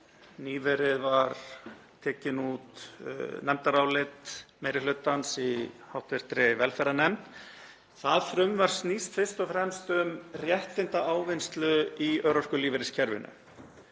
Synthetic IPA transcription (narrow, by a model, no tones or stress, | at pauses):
niːvɛɾɪðvaɾt̪ʰɛːcɪnut̪nɛmt̪aɾaːwlɪt̪meːjɾɪlʏt̪ansihawht̪vɪɾ̥t̪ɾɪvɛlfɛɾanɛmt̪ | θaðθɾʏmvaɾ̥snist̪fɪr̥st̪ɔfɾɛmst̪ʏmrjɛht̪ɪnt̪aʔaːwvɪnst̪lʏiœɾɔr̥kʏliːvɪɾɪscʰɛɾvɪ̰nʏ̰